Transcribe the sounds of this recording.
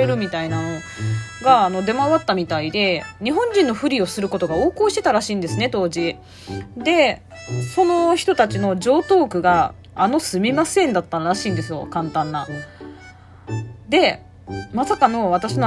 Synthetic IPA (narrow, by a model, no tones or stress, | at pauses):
e̞ɾɯ̟mʲit̪ainano̞ | ɡaːno̞d̪e̞maβat̪ːamʲit̪aid̪e̞ɲ̟iɦõ̞ɲ̟d͡ʑĩnːo̞ɸɯ̟ɾʲio̞sɨɾɯ̟ko̞t̪o̞ɡao̞ːkoːɕi̥t̪e̞t̪aɾaɕĩːnd̪e̞sɨne̞t̪o̞ːʑi | d̪e̞ | so̞no̞çi̥t̪o̞t̪at͡ɕino̞d͡ʑo̞ːt̪o̞ːkɯ̟ɡaː | no̞sɨmʲimasẽ̞nd̪at̪ːaɾɾaɕĩːnd̪e̞sɨjo̞̰kãnt̪ãnːa | d̪e̞ | masakano̞β̞at̪aɕino